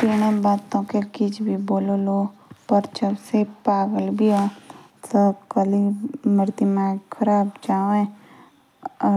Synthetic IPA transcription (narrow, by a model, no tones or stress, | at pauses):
piːɽ̃abaːt̪õkekit͡ʃʰbʱiboːlolopəɾt͡ʃəbsepaːɡəlbʱia | t̪okəliməɾd̪imakʰəɾaːbd͡ʒaːʋẽ